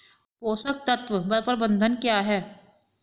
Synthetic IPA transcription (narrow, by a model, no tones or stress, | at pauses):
poːsək̚t̪ɐt̪ʋəbəpəɾbə̃nd̪ʱənkjaːɦɛː